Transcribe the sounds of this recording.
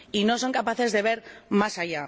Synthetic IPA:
ino̞so̞ŋkapaθe̞zðe̞β̞e̞ɾmasaʝa

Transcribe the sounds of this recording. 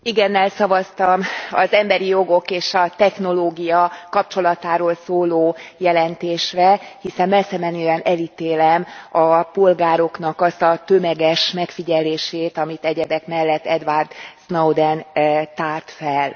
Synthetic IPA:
iɡɛnːɛlsɒvɒst̪ɒmɒzɛmbɛɾijo̞ɡo̞keːʃɒt̪ɛxn̪o̞loːɡijɒkɒp̚t͡ʃo̞lɒt̪aːɾoːlsoːloːjɛlɛnt̪eːʃrɛhisɛmmɛlsɛmɛnøːɛnɛlit̪eːlɛmɒpo̞lɡaːɾo̞knɒkɒst̪ɒt̪ø̞mɛɡɛʃmɛkfiɟɛleːʃeːt̪ɒmit̪ɛɟɛd̪ɛkmɛlːɛt̪ːɛd̪ʋard̪snɒwd̪ɛnt̪aːrt̪fɛl

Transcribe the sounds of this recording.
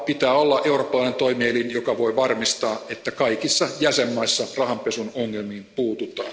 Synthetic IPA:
pit̪æːolːɑʔe̞uropːɑlɑinent̪o̞imielinjokɑʋo̞iʋɑrmist̪ɑːʔet̪ːækɑikisːɑjæsemːɑisːɑrɑhɑmpesunoŋːelmiːmpuːt̪ut̪ɑ̰ːn

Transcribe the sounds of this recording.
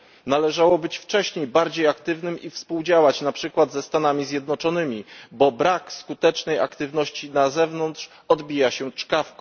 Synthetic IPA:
nalɛʐawɔbɘt͡ɕft͡ʂɛɕɲejbaɾd͡ʑejakt̪ɘvnɘmifspuwd͡ʑawat͡ɕnapʂɘkwad̪zɛst̪anamʲizʲjɛd̪nɔt͡ʂɔnɘmʲibɔbɾakskut̪ɛt͡ʂnɛja̰kt̪ɘvn̪ɔɕt͡ɕinazɛvnɔnt̪ʂ | ɔd̪bʲijaɕɛt͡ʂkafkɔ

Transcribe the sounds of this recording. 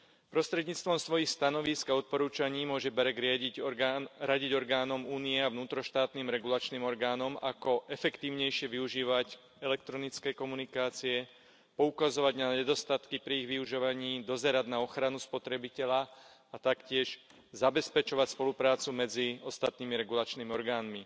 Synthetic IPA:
pɾɔst̪ɾɛd̪ɲiːt͡st̪ʋɔmsʋɔjixst̪anɔʋiskaɔt̪̚pɔɾuːt͡ʃaɲiːmʊɔʒɛbɛɾɛɡɾɪa | ɾaɟiɟɔɾɡaːnɔmuːniɛavnuːt̪ɾɔʃt̪aːt̪niːmɾɛɡulat͡ʃniːmɔɾɡaːnɔmakɔʔɛfɛkt̪iːʊɲɛjʃɪɛʋiuʒiːʋac | ɛlɛk̚t̪ɾɔnit͡skɛːkɔmunikaːt͡siɛ | pɔukazɔʋaɟnaɲɛd̪ɔst̪at̪kipɾiiɣʋiuʒɔʋaɲiːd̪ɔzɛɾaɟnaɔxɾanuspɔt̪ɾɛbicɛʎa | at̪akcɪɛʃ | zabɛspɛt͡ʃɔʋacspɔlupɾaːt͡sumɛd͡ziɔst̪at̪̚niːmiɾɛɡulat͡ʃniːmiɔɾɡaːnmi

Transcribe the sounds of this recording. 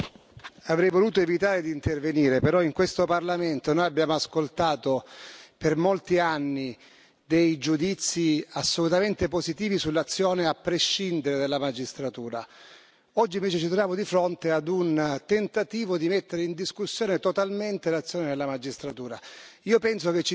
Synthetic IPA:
avɾɛjvoluːt̪oevit̪aːɾed̪iːnt̪erveniːɾepeɾɔiŋkwest̪oparlament̪onojabːjaːmoaskolt̪aːt̪opermolt̪ianːi | d̪ejd͡ʒud̪it̪sːiasːolut̪ament̪epozit̪iːvisulːat̪sːjoːneapːɾeʃːind̪eɾed̪elːamad͡ʒist̪ɾat̪uːɾa | ɔd͡ʒːiɱveːt͡ʃet͡ʃit̪ɾovjaːmod̪ifɾont̪ead̪unt̪ent̪at̪iːvod̪imet̪ːeɾeind̪iskusːjoːnet̪ot̪alment̪elat̪sːjoːnenelːamad͡ʒist̪ɾat̪uːɾaiːopɛnsoket͡ʃːi

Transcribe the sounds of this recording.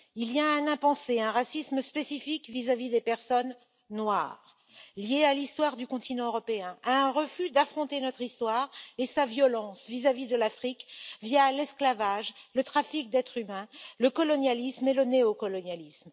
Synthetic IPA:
ilijaɛ̃nɛ̃pɑ̃seɛ̃ʁasisməspesifikvizavid̪epɛʁsɔnː | wa̰ːʁ | ljealist̪waʁd̪ykɔ̃t̪inɑ̃øʁɔpeɛ̃ʔaɛ̃ʁəfyd̪afχɔ̃t̪enɔt̪χist̪waːʁesavjɔlɑ̃svizavid̪əlafχikvjalɛsklavaʒlət̪χafik̚d̪ɛt̪χymɛ̃ləkɔlɔnjalismeləneɔkɔlɔnjalism

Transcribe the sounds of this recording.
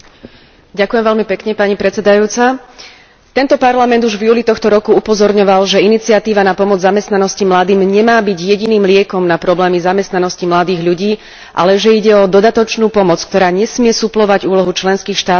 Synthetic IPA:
ɟakʊjɛmʋɛʎmipɛkɲɛpaɲipɾɛt͡sɛd̪ajuːt͡sa | t̪ɛnt̪ɔpaɾlamɛnd̪uʒvjuːlit̪ɔxt̪ɔɾɔkuupɔzɔɾɲɔʋalʒɛinit͡sɪat̪iːʋanapɔmɔd͡zzamɛst̪nanɔscimlad̪iːmɲɛmaːbiɟjɛɟiniːmlɪɛkɔmnapɾɔblɛːmizamɛst̪nanɔscimlad̪iːɣʎuɟiː | ʔa̰lɛʒɛiɟɛɔd̪ɔd̪at̪ɔt͡ʃnuːpɔmɔt͡sk̚t̪ɔɾaːɲɛsmɪɛsuplɔʋaɟuːlɔɦut͡ʃlɛnskiːxʃt̪aː

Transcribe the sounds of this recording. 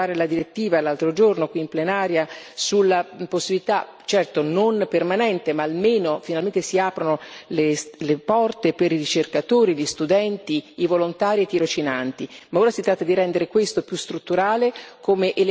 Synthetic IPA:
aːɾelad̪iɾet̪ːiːvalːalt̪ɾod͡ʒornokwiːmplenaːɾjasulːaposːibilit̪at͡ʃɛrt̪ononpermanɛnt̪emaːlmeːnofinalment̪esiaːpɾonoleslepɔrt̪epeɾirit͡ʃerkat̪oːɾiʎist̪ud̪ɛnt̪iːvolont̪aːɾiet̪ːiɾot͡ʃinant̪imaoːɾasit̪ɾaːt̪ːad̪iɾɛnd̪eɾekwest̪opjust̪ɾut̪ːuɾaːlekʰoːmeʔel

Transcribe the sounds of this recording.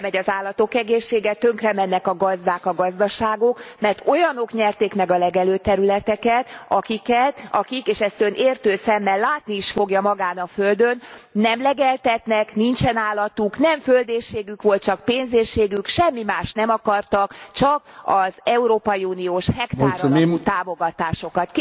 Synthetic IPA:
mɛɟɒzaːlːɒt̪o̞kɛɡeːʃːeːɡɛt̪øŋkrɛmɛnːɛkɒɡɒzd̪aːkɒɡɒzd̪ɒʃaːɡo̞kmɛrt̪o̞jɒno̞kɲɛrt̪eːkmɛɡɒlɛɡɛløːt̪ɛɾylɛt̪ɛkɛt̪ɒkikɛt̪ɒkikeːʃɛst̪ønʔeːrt̪øːsɛmːɛlːaːt̪niiʃfo̞ɡjɒmɒɡaːnɒfø̞ld̪ønːɛmlɛɡɛlt̪ɛt̪nɛknint͡ʃɛnaːlːɒt̪uknɛɱføld̪eːrʃeːɡykʋo̞lt̪̚t͡ʃɒk̚peːnzeːrʃeːɡykʃɛmːimaːʃnɛmɒkɒrt̪ɒkt͡ʃɒkɒzɛuɾoːpɒjiuːnioːʃhɛkt̪aːɾut̪aːmo̞ɡɒt̪aːʃo̞kɒt̪k

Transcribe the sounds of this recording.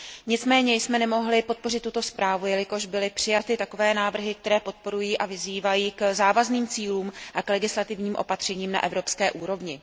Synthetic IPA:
ɲɪt͡smɛːɲɛjsmɛnɛmo̞ɦlɪpo̞t̪̚po̞rɪt̪ːut̪o̞spɾaːvujɛlɪko̞ʒbɪlɪpr̝̥ɪjat̪ɪt̪ako̞vɛːnaːvr̩ɦɪk̚t̪ɛɾɛːpo̞t̪̚po̞ɾujiːʔavɪziːvajiːkzaːvazniːmt͡siːluːmʔaklɛɡɪslat̪ɪvɲiːmʔo̞̰pat̪r̝̥ɛɲiːmna̰ʔɛvɾo̞pskɛːʔuːɾo̞vɲɪ

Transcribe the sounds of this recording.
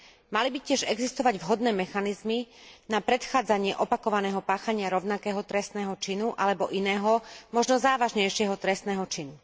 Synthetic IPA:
malibicɪɛʒɛɡzist̪ɔʋaɟvɦɔd̪nɛːmɛxanizminapɾɛt̪xaːd͡zaɲɪɛʔɔpakɔʋanɛːɦɔpaːxaɲɪaɾɔʊnakɛːɦɔt̪ɾɛst̪nɛːɦɔt͡ʃinuʔalɛbɔʔinɛːɦɔmɔʒnɔzaːʋaʒɲɛjʃɪɛɦɔt̪ɾɛst̪nɛːɦɔt͡ʃinu

